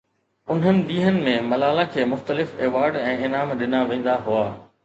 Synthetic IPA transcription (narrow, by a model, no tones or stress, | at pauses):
ʊn̤ənɪ̆ɗiːɦənɪ̆mẽmɐlaːlakʰeːmʊxt̪əlɪfeːʋaːɾɖɛ̃ːɪnaːmɗɪnaʋẽːn̆d̪aɦʊaː